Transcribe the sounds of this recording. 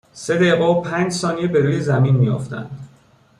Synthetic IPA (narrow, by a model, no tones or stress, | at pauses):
se̞d̪eɣɔpʰæːnd͡ʒsɒːnijebe̞ɾuːjezæminmijo̰ft̪ʰæ̰nd̪̥